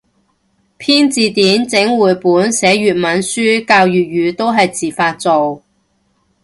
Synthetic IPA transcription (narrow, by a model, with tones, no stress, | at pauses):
pʰiː˥nt͡siː˨˧t̪iː˨˥nt͡sɪ˨˥ŋwuː˨jpuː˨˥nsɛː˨˥ɥyː˨˩t̚mɐ˨˥nsyː˥kaː˧wjyː˨t̚ɥyː˨˧t̪o˥wɦɐ˨jt͡siː˨˩faː˧t̚t͡so˨w